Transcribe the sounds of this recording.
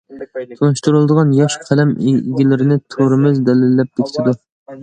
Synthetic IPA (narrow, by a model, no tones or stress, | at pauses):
t̪ʰonɨʃt̪uɾɨlˠɨd̪əʁɑnjɑʃqʰælɛmḛɡʲilɪɾɪnɪt̪ʰoɾɪmɪzd̪ɛlɪlːɛp̚bekʲʰi̥t̪ʰɪd̪u